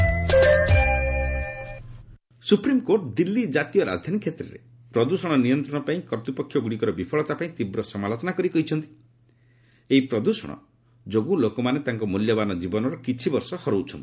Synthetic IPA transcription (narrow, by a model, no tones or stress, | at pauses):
supɾimkoʈd̪ilːid͡ʒat̪ijɔɾa̰d͡ʒd̪ʱanikʰet̪ɾḛɾḛ | pɾɔd̪usɔɽ̃ɔnijɔnt̪ɾɔ̃ɔpaĩkɔɾt̪upɔkʰːjɔɡuɽikɔɾɔbipʰɔɭɔt̪apaĩt̪ibɾɔsɔmalot͡ʃɔnakɔɾikɔɦit͡ʃʰɔnt̪i̥ | eipɾɔd̪usɔ̰ɽ̃ɔ̰ | d͡ʒoɡũlokɔmanet̪aŋkɔmuljɔbanɔd͡ʒibɔnɔɾɔkit͡ʃʰibɔɾsɔhɔɾowt͡ʃʰɔnt̪i̥